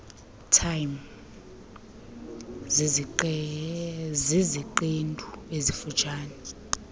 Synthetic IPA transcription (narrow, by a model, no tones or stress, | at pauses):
tʰajm | z | ziziǃendʱʼuezifut͡ʃʰʼaːnɛ